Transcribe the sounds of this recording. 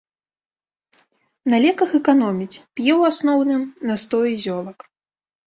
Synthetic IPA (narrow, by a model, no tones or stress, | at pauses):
nɐlʲɛkɐxɛkanɔmʲit͡sʲpʲjɛwasnɔwnɨmnɐst̪ɔjizʲɔlˠɐk